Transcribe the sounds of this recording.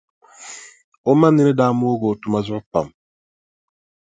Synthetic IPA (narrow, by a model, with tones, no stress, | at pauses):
o˦ma˦nːi˦nɛ˦daː˦mu˦o˦ɡoː˨tu˨ma˦zʊ˦pa̰˨m